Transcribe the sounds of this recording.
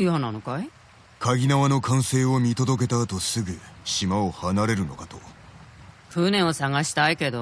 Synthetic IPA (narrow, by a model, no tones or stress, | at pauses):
jɯɦananokai | kʰaɡʲinaβano̞kãɰ̃se̞ːo̞mʲit̪o̞d̪o̞k̬e̞t̪aːt̪o̞sɨɡɯ̟ɕimaohanaɾe̞ɾɯ̟no̞̰kat̪o̞ | kɯːnẽ̞ɰ̃osaɡaɕi̥t̪aike̞d̪o